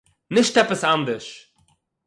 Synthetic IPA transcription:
nɪʃt̪ɛpəsand̪əʃ

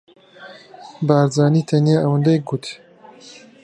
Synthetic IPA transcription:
baːɾzaːniːt̪ʰɐnijaːʔɐwɨnd̪ɛjk̚ɡut̪

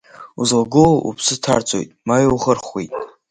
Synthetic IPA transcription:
uzlaɡʊʔupʰsɨtʰa̰rt͡sʷʰʼo̰jtʼmajwχərχwejtʼ

